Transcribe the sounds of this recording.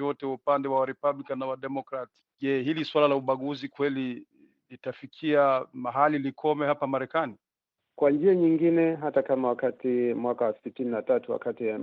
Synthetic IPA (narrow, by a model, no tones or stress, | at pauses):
jɔtɛwaupandɛwawaɾɛpablikanːawaɗɛmɔkɾat | ʄɛɦiliswalalauɓaɠuzikwɛli | litafikʰiamaɦalilikʰɔmɛhapamaɾɛkani | kwand͡ʒiaɲiŋɡinɛɦatakamawakatimwakawasitininatatuwa̰kati